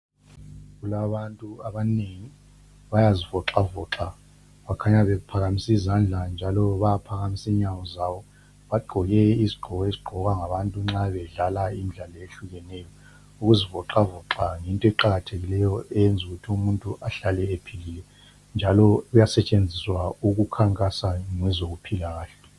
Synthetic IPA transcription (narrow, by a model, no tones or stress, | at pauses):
ɣulaβantʼuaβaneŋi | βajazivɔǁavɔǁa | βakʰaɲaβɛpʰaɣamisizand͡ɮʱand͡ʒʱalɔβajapʰaɣamisiɲawɔzaβɔ | βaɡ͡ǃʱɔjɛiziɡ͡ǃʱɔɣɔiziɡ͡ǃʱɔɣwaŋaβantʼuŋ͡ǁaβɛɮalaimiɮalɔeɬuɣɛnɛjɔ | uɣuzivɔǁavɔǁaŋintʼɔɛǃaɣatʰeɣilɛjɔʔɛjɛnd͡zʱuɣutʰiumuntʼuʔaɬalɛepʰililɛ | nd͡ʒʱalɔɣujasɛt͡ʃʼend͡zʱiswauɣukʰaŋkʼasaŋɛzoɣupʰilaɣaːɬɛ